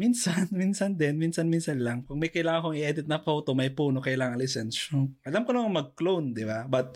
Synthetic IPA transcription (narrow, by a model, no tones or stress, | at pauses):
minsɐnminsɐnd̪ɛnminsɐnminsɐnlaŋpɐɡ̚mɐjkɐjlaːŋɐŋkoŋɪʔɛd̪ɪt̪nɐfowt̪omɐjpuːnokɐjlaːŋɐŋlɪsɛnʃoʔɐlamkonɐmɐŋmɐɡ̚klownd̪ɪbabɐt̪̚